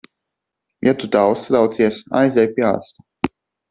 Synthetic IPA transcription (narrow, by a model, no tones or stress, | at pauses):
jat̪ud̪awst̪ad̪awt̪siɛsa̰jzʲɛjpʲia̰ːt̪st̪a